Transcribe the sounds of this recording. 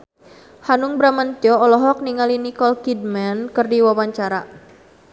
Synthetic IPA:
hanuŋbɾamant̪iɔɔlɔɦɔk̚niŋalinikɔlkid̚mankɨrdiwawaɲt͡ʃaɾa

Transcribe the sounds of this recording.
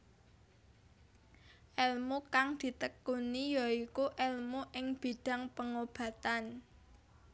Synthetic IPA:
ʔɛlmukaŋd̪̥i̤t̪əkːunijɔikuʔɛlmuʔɪŋb̥i̤ɖ̥a̤ŋpəŋob̥ä̤t̪an

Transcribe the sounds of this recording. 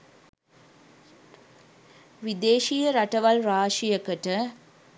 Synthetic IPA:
ʋid̪eːʃijəɾɐʈɐʋɐlɾaːʂijɐkəʈə

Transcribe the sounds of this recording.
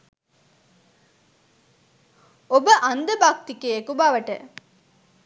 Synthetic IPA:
obəʔand̪əbak̚t̪ikeːkubaʋəʈə̰

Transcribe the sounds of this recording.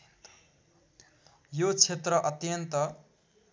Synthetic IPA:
nt̪ | jot͡sʰet̪rʌʔʌt̪jʌnt̪ʌ

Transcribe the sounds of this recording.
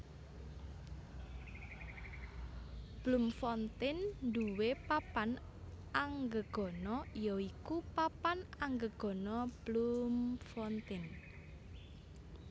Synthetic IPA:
b̥lumfɔnt̪ɪnnd̪uwepapan | aŋɡəɡ̥ɔ̤nɔjɔikupapanaŋɡəɡ̥ɔ̤nɔb̥lumfɔnt̪ɪn

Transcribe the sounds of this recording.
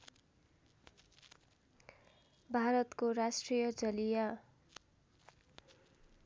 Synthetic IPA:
bʱaɾʌt̪koɾasʈrijʌd͡zʌlija

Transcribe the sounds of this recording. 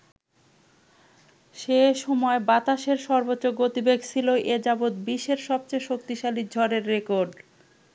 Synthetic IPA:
ʃeʃɔmɔebat̪aʃeɾʃɔɾbotːɕoɡot̪ibeɡsʰiloʔed͡ʑabod̪biʃeɾʃɔb̚t͡ɕeʃokt̪iʃalid͡ʑʱɔɾeɾːekoɾɖ

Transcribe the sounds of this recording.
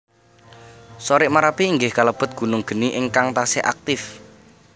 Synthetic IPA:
soɾɪʔmaɾapiːŋɡɪhkaləb̥ə̤t̪̚ɡ̥ṳnʊŋɡ̥ə̤niʔɪŋkaŋt̪asɪʔa̰k̚t̪ɪf

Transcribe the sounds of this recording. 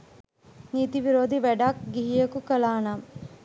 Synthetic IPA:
niːt̪iʋiɾoːd̪iʋæɖakɡiɦijəkukɐlaːna

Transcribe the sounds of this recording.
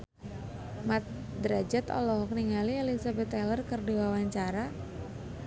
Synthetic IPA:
mat̪̚ | d̪ɾad͡ʒat̪ɔ̰lɔɦɔk̚niŋalielizabɛt̪ɛlərkərdiwawaɲt͡ʃaɾa

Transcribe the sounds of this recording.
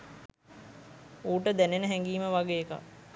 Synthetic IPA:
uːʈəd̪ænenəɦɛŋɡiːməʋaɡeːka̰

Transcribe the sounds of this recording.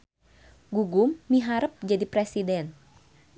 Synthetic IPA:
ɡuɡumːiɦaɾəp̚d͡ʒadipɾɛsidɛn

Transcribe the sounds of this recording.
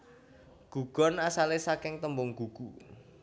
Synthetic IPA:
ɡ̥ṳɡ̥ɔ̤nasalesakɪŋt̪əmbʊŋɡ̥ṳɡ̥u

